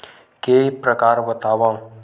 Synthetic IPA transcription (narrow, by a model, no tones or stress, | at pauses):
kepɾəkaːɾbət̪aːʋã